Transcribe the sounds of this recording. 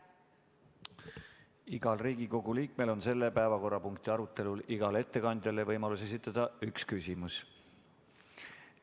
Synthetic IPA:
iɡ̥ɑlriːɡiko̞ɡ̥uliːk̚me̞lo̞nse̞lːe̞pæevɑko̞rːɑpuŋkt̪iɑɾut̪ːˑe̞luliɡ̥ɑle̞t̪ːe̞kɑnd̪̥ʲjɑlevɤjmɑluse̞sit̪ːˑɑd̪̥ɑykskysʲimus

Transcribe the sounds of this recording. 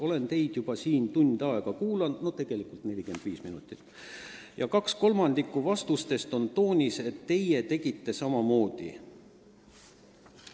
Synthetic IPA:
o̞le̞nt̪e̞jd̪̥jub̥ɑsiːnt̪unʲd̪ɑe̞ɡ̥ɑkuːlɑnno̞t̪e̞ɡ̥e̞likult̪ne̞lʲike̞nd̪̥viːsminut̪ˑit̪ːˑ | jɑkɑksko̞lmɑnd̪̥ikːˑuvɑst̪ust̪e̞st̪o̞nt̪o̞ːnʲise̞t̪ːe̞je̞t̪e̞ɡ̥it̪ːe̞sɑmɑmo̞ːd̪̥ḭ

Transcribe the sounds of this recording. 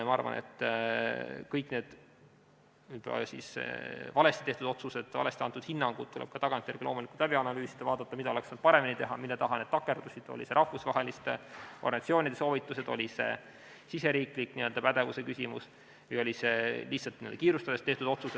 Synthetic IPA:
mɑɑ̰rvɑ̰nʔḛt̪ːˑ | kɤjkne̞ːd̪̥ | yb̥̰sḭsḛvɑle̞st̪it̪e̞ht̪ud̪̥o̞t̪sused̪̥ɑle̞st̪iɑnt̪ːˑud̪̥hinːɑŋɡ̥ud̪̚t̪ːuleb̥̚kɑt̪ɑɡ̥ɑnt̪ʲːˑjeɾɡilo̞ːmulikut̪læbiɑnɑlyːsid̪̥ɑvɑːd̪ɑt̪ːˑɑmid̪ɑo̞le̞ksnd̪̥̚pɑɾeminit̪e̞ɦɑmilːet̪ɑɦɑne̞d̥̪t̪ɑkːˑe̞rd̪̥usid̪̥o̰lḭse̞ɾʔɑhvusvɑɦe̞list̪ʔorɡɑnɑt̪sio̞ːnʲid̪̥e̞so̞ːvit̪ːˑuse̞d̪̥o̞̰lʲise̞̰ | sise̞ɾiːklikːniø̞ld̪ɑpæd̪e̞vuse̞kysʲimṵs | vɤjo̞lise̞lihtsɑlt̪nḭld̥̪ɑkiːɾust̪ɑd̪e̞st̪eht̪ud̪ot̪suse

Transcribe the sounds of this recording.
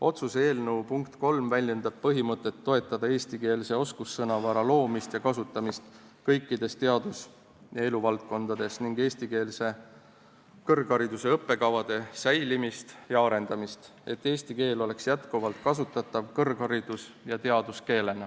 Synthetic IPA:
o̞t̪suse̞ːlneupuŋkt̪ko̞lmvælʲje̞nd̪̥ɑb̥̚pɤɦimɤt̪ˑːe̞t̪ːo̞e̞t̪ːˑɑd̪̥ɑe̞ːst̪ike̞ːlse̞o̞skusːɤnɑvɑɾɑlo̞ːmist̪jɑkɑsut̪ːˑɑmist̪ | kɤjkːˑid̪e̞st̪e̞ɑd̪us | jɑe̞luvɑlt̪̚ko̞nd̪ɑd̪̥e̞sniŋɡ̥e̞ːst̪ike̞ːlse | kɤrɡ̥hɑɾid̪̥use̞ɤpːe̞kɑvɑd̪̥e̞sæjlimist̪jɑɑɾe̞nd̪ɑmist̪ | e̞t̪ːe̞ːsʲt̪ike̞ːlo̞le̞ksjæt̪kuvɑlt̪̚kɑsut̪ːˑɑt̪ːˑɑvkɤrɡ̥hɑɾid̪̥us | jɑt̪e̞ɑd̪̥uske̞ːle̞nɑ

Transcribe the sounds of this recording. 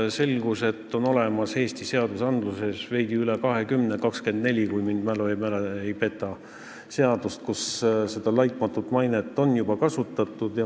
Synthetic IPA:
se̞lɡuse̞t̪ːˑo̞no̞le̞mɑshe̞ːst̪ise̞ɑd̪usɑnd̪̥luse̞sve̞jd̪̥iylekɑɦe̞kymnekɑkske̞nd̪ne̞lʲikujmind̪̥mæloemæleejpe̞t̪ːˑɑ | se̞ɑd̪̥ust̪̚kusse̞d̪̥ɑlɑjt̪ˑmɑt̪ːˑut̪ːˑmɑjnet̪ːˑo̞njub̥ɑkɑsut̪ːˑɑt̪ːˑud̪̥jɑ

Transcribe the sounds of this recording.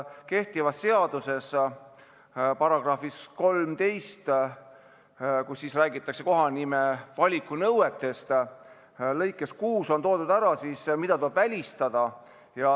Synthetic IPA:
ke̞ht̪ivɑsːe̞ɑd̪̥use̞s | pɑɾɑɡ̥rɑfisko̞lmt̪e̞jst̪ | kusːiːsræːɡit̪ːˑɑkse̞ko̞ɦɑnimevɑlʲikːˑunɤwwe̞t̪ːˑe̞st̪ | lɤ̞jkːˑe̞skuːso̞nt̪o̞ːd̪̥ud̪̥æɾɑsismid̪̥ɑt̪uleb̥vælʲist̪ɑd̪̥ɑ | jɑ

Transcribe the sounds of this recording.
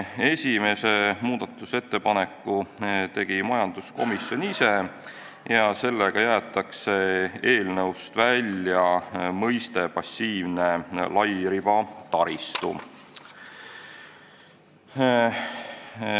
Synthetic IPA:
e̞sʲime̞se̞muːd̪̥ɑt̪ːˑuse̞t̪ːe̞pɑne̞kːˑut̪e̞ɡ̥imɑjɑnd̪̥usko̞misjo̞nise̞ | jɑse̞lːeɡ̥ɑjæːt̪ːˑɑkse̞e̞ːlnɤwst̪vælʲjɑmɤjst̪e̞pɑsʲːiːvne̞lɑjɾib̥ɑt̪ɑɾist̪ṵ

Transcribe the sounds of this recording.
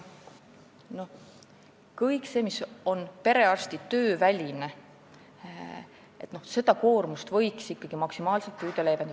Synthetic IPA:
no̞ | kɤjkse̞ːmiso̞npe̞ɾe̞ɑrst̪it̪ø̞ːvælʲine | e̞t̪ːno̞hse̞d̪̥ɑko̞ːrmust̪vɤ̞jksikːɑɡ̥imɑksimɑːlselt̪pyːd̪̥elejben

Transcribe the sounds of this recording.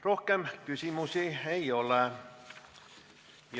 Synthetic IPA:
rohkemkysimusieiole | j

